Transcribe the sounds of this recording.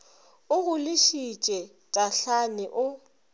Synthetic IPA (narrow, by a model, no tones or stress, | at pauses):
ʊɣʊlɪʃit͡ʃʼɛ | tʼaɬanɪʔʊ